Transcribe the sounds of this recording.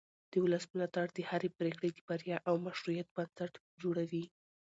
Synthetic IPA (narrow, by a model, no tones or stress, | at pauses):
d̪̥əʊlasmɪlɑt̪aɽd̪əhaɾepɾekɽed̪əbaɾjɑʔawmaʃɾujat̪̚bansaʈ | d͡ʒoɽawi